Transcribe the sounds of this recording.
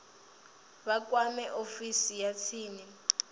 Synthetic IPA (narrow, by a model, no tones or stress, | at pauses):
βak̬ʼwamɛʔofisijat͡sʰiːni